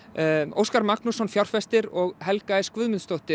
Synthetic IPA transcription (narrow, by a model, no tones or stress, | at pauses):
o̰wskaɾmaknusɔnfjawr̥fɛst̪ɪɾɔɣɦɛlkaðɪskvʏðmʏnst̪ɔwht̪ɪ